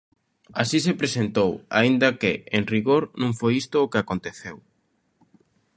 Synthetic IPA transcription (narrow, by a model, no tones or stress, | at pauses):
asisepɾesent̪owa̰ind̪ɐkeeŋriɣoɾnũŋfojist̪oːkeakont̪eθew